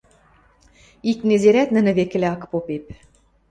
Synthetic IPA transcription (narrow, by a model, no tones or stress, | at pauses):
iknezeɾæt̪nɘ̆nɘ̆βekɘ̆leɑkpopep